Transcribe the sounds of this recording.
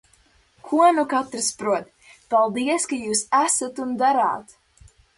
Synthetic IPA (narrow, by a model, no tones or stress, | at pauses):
kʰuɔnukat̪ɾɨspɾuɔt̪ | palˠd̪iɛskajuːsæsat̪und̪aɾa̰ːt̪